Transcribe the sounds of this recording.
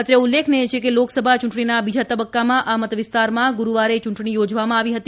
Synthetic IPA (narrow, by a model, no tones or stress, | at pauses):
ət̪ɾjəulːekʰneet͡ʃʰekeloksəbʱat͡ʃũɳʈɳinabid͡ʒat̪əbəkːamãʔamət̪ʋɪst̪aɾmãɡuɾuʋaɾet͡ʃũɳʈɳ̃ijod͡ʒʋamãaʋiɦət̪i